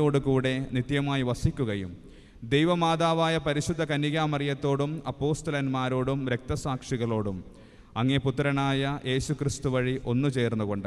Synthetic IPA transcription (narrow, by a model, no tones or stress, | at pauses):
o̞ːɽukuːɽe̞nit̪jɐmaːjiʋɐsikʲːuɣɐjṵm | d̪ejʋɐmaːd̪aːʋaːjɐpɐɾiɕud̪ʱːɐkɐniɣaːmɐrjɐt̪ːo̞ːɽumɐpːo̞ːst̪ɐlɐnmaːɾo̞ːɽumɾe̞k̚t̪ɐsaːkʂiɣɐɭo̞ːɽum | ɐŋːeput̪ːɾɐnaːjɐʔe̞ːɕukrist̪uʋɐɻiʔo̞nːut͡ɕe̞ːrnːuɣo̞ɳɖɨ